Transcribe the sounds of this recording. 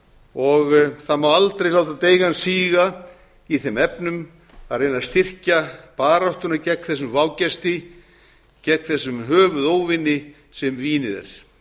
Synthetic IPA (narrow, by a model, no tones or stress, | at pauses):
ɔɣθamaalt̪ɾejlawt̪at̪eːjɣansiːɣa | iθɪmɛpnʏm | aðrejnast̪ɪr̥capaːɾaht̪ʏnacɛkθɛs̬ʏmvaːwcɛst̪ɪ | cɛkθɛsːʏmɦœːvʏðoːwvɪnːɪ | sɛmviːnɪðɛ̰ɾ̥